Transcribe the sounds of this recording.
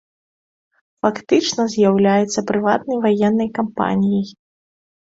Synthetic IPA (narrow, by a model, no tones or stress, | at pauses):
fakt̪ɨt͡ʂnɐzʲjawlʲajɛt̪sːɐpɾɨvat̪nɐjvajɛnːɐjkampa̰nʲijij